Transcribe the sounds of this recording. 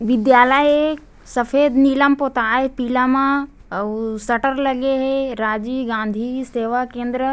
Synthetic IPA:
ʋɪd̪jaːləje | sɐfeːd̪niːləmpoːt̪aːɦepiːlamã | sɐʈəɾlɐɡeɦeɾaːd͡ʑiːɡãːnd̪ʱiseːʋakẽːnd̪ɾə

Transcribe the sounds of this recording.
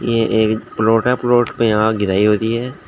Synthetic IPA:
jeʔeːkploːʈɛploːʈpẽãːɡɪɾaːiɦoːt̪iɦɛː

